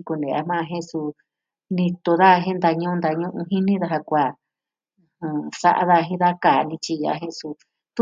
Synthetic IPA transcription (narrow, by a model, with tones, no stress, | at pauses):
ku˧nẽ˨a̰˧mã˦˧ɦẽ˦su˧ | nĩ˧t̪o˧ða˦˧ɦẽ˦nd̪a˧ɲũ˦˧nd̪a˧ɲũ˦ʔũ˧ɦĩ˦nĩ˦ða˧ɦa˧kʷa˨˧ | hã˧sa̰˧ʔa̰˦ða˧ɦĩ˦ða˦ka˨nĩ˧t͡ʃi˧ja̰˧˦ɦẽ˧su˧ | t̪u˦